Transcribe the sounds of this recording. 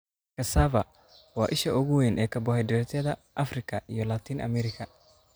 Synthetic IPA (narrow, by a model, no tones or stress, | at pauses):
kʰɐsavɐ | wɑːʔɪʃɐʊɣʊwenʔɛːkʰɐbɔhɛjdɪɾɛt̪ʰjɐðɐʔɐfrɪkʰɐʔijɔlaːt̪ʰiːnʔɐ̰mɛɾɪkʰɐ